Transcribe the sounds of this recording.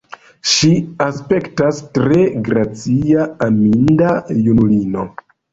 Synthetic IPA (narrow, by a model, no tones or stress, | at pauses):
ʃiaspe̞ktastɾe̞ɡɾat͡siaːmindajunulino̞